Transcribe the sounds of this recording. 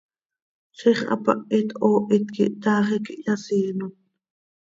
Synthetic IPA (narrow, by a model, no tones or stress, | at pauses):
ʃiχʔɑ̰pɑ̰ʔit̪oːʔit̪kiʔt̪ɑːχikiʔjɑsiːnon